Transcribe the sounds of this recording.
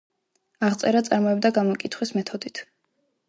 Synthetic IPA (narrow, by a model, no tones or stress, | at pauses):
aʁt̪sʼɛɾat̪sʼaɾmɔɛbd̪aɡamɔkʼit̪ʰχwismɛt̪ʰɔd̪it̪ʰ